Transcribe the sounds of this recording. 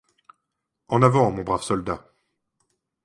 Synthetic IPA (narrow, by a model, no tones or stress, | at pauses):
ɑ̃navɑ̃mɔ̃bʁavsɔld̪a